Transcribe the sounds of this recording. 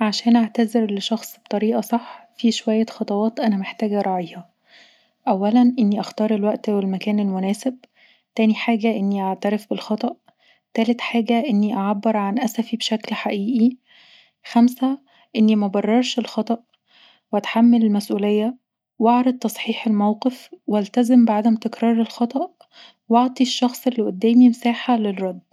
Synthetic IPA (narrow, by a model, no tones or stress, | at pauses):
ʕaʃæːnʔaʕt̪æzeɾleʃɑxsˤbet̪ˤɑɾiːʔɑsˤɑħːfiʃowæjːæxɑt̪ˤɑwɑːt̪ʔænæmeħt̪æːɡæɾˤɑːʕiːhɑ | ʔæwːælænʔenːiʔæxt̪ɑːɾˤelwæʔt̪æwelmækæːnelmonæːseb̚ | t̪æːniħaːɡæʔenːiʔaʕt̪æɾefbelxɑt̪ˤɑʔ | t̪æːlet̪ħaːɡæʔenːiʔaʕabːeɾʕanʔæsæfibeʃæklħaʔiːʔi | xæmsæ | ʔenːimæbɑrˤːɑɾˤʃelxɑt̪ˤɑʔ | weæt̪ħamːælelmæsʔuːlejːæ | wɑʕɾˤɑd̪̚t̪ːɑsˤħiːħelmæwqefweælt̪æzembeʕad̪æmt̪ekɾˤɑːɾˤelxɑt̪ˤɑʔ | wɑʕt̪ˤiʃːɑxsˤelːiʔod̪ːæːmimsaːħalerˤːɑd̪ː